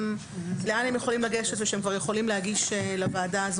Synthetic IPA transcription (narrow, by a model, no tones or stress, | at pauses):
m | leanemjeχo̞limlaɡeʃetveʃeemkvaʁjeχo̞limlehaɡiʃelavaːdaaz